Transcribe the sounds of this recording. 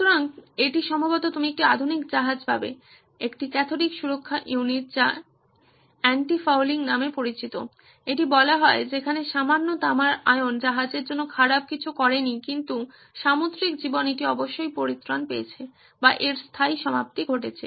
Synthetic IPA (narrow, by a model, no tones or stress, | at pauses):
uuɾaŋeʈiʃɔmbʱabot̪ot̪umiek̚ʈiad̪ʱunikd͡ʑaɦad͡ʑbʱa̰bḛ | ekʈikɛt̪ʰolikʃuɾokʰːaʔiuniʈ̚d͡ʑa | ɛɳʈifawliŋnamepoɾit͡ɕit̪o̰ | eʈibɔlaɦɔed͡ʑekʰaneʃamanːot̪amaɾaeond͡ʑaɦad͡ʑeɾd͡ʑonːokʰaɽab̚kit͡ɕʰukɔɾenikint̪u | ʃamot̪ɾikd͡ʑiboneʈiɔboʃːojpoɾit̪ːɾanpeet͡ɕʰe | baʔeɾst̪ʰaiʃɔmap̚t̪iɡʱoʈet͡ɕʰḛ